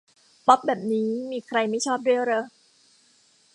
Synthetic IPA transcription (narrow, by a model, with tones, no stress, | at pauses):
pɔ˦˥p̚bɛː˨˩p̚niː˦˥miː˧kʰɾa˧jma˥˩jt͡ɕʰɔː˥˩p̚du˥˩˨ɾɤ˧